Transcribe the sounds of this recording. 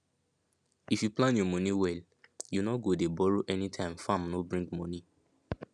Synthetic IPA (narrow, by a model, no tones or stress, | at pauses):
ifjuplãnjɔmɔniwɛl | junɔɡodebɔɹoʔɛnitʰãɪ̃mfãmnobɹĩŋɡmɔni